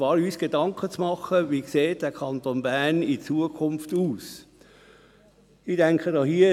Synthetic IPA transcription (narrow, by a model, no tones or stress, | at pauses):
vɑːɾyːsɡ̥edɑŋkʰət͡smɑχəʋiːkseːt̚d̥ɛːkʰɑnt̪onbæːnit͡suəkʰʊnftuːs | id̥ɛŋkχədɑhiːə